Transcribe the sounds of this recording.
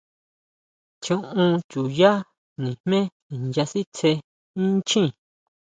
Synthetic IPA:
t͡ʃũ˧ʔũ˧t͡ʃu˨ja˦ | nĩ˨hmẽ˦ | i˨nja˧si˦t͡se˧ | ĩ˦t͡ʃĩ˦˨

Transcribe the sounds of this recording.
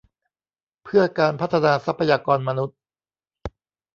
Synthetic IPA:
pʰɯ˥˩ɐkaː˧npʰa˦˥t̪ʰːa˧naː˧sa˦˥pʰːa˧jaː˧kɔː˧nma˧nu˦˥t̪̚

